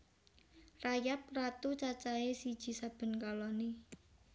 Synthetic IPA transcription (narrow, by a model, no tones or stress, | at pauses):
rajap̚rat̪ut͡ʃat͡ʃaesid̥ʒ̥i̤sab̥ə̤nkalɔne